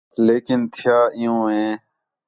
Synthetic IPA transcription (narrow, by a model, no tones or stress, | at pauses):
leːkɪnt̪ʰɪjaːɪjõːɦẽː